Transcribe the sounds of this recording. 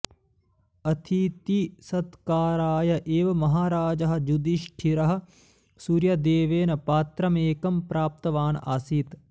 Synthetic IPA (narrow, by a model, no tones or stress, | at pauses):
ɐt̪ʰit̪isɐt̪kaːɾaːjɐʔeːʋɐmɐɦaːɾaːd͡ʒɐɦɐ̆d͡ʒud̪iʃʈʰiɾɐɦɐ̆ | suːɾjɐd̪eːʋeːnɐpaːt̪ɾɐmeːkɐmpɾaːp̚t̪ɐʋaːna̰siːt̪